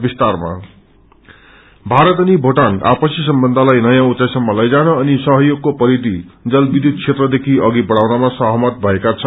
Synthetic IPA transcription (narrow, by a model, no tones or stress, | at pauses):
bist̪arma̰ | bʱaɾʌt̪ʌnibʱoʈana̰pʌsis̬ʌmbʌnd̪ʱalajnʌjãut̪sajsʌmːʌlʌjd͡zanʌːnisʌɦʌjoɡ̚kopʌɾid̪ʱid͡zʌlbid̪ʱjud̪̚t͡sʰet̪rʌd̪ekʰiʌɡibʌɽawnamasʌɦʌmʌt̪̚bʱʌekat͡sʰʌn